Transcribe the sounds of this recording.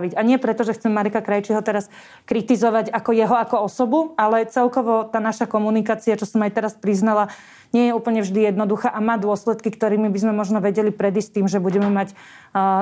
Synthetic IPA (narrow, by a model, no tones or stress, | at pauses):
ʋiɟaɲɪɛpɾɛt̪ɔʒɛxt͡sɛmmaɾɛkakɾajt͡ʃiɦɔt̪ɛɾas | kɾit̪izɔʋaɟakɔjɛɦɔakɔɔsɔbualɛt͡sɛlkɔʋɔt̪aːnaʃakɔmunikaːt͡siat͡ʃɔsɔmajt̪ɛɾaspɾiznala | ɲɪɛjɛuːpl̩ɲɛvʒd̪ijɛd̪nɔd̪uxaːʔamaːd̪ʊɔslɛt̪kikt̪ɔɾiːmibizmɛmɔʒnɔʋɛɟɛlipɾɛd̪iːstt̪ːiːmʒɛbuɟɛmɛmac